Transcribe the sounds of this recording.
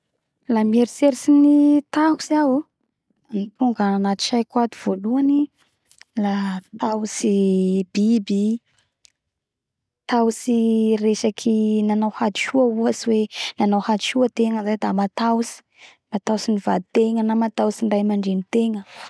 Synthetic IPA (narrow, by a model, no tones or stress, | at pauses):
lameɾiseɾisinit̪ahu̥siawu | nit̪uŋɡananat̪u̥ʃajkwad̪uv̥oluani | lat̪ausibibi | t̪awsiresakʰinanawhad̪iʃuauasiwenanawhad͡ʒ̪iʃuət̪eŋəzajd̪amat̪awusi̥ | mat̪awsinivad̪it̪eŋənamat̪awsiɳɖ͡ʐajmaɳɖ͡ʐenit̪eŋə